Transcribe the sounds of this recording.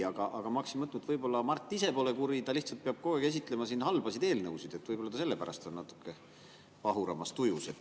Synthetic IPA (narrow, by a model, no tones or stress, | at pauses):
ɑɡ̥ɑʔɑɡ̥ɑmɑksinmɤt̪ːnut̪vɤjbo̞lːɑmɑrt̪ːˑisepo̞ːle̞kuɾit̪ɑliht̪sɑlt̪̚peɑb̥̚koːekes̬it̪ˑle̞mɑsinɦhɑlbɑsid̪e̞ːlnɤwsid̪̥e̞t̪ːvɤjbo̞lːɑt̪ɑse̞lːe̞pæɾɑ̰st̪o̞nːnɑt̪ːˑu̥kːˑe̞ | pɑɦuɾɑmɑst̪ujuset̪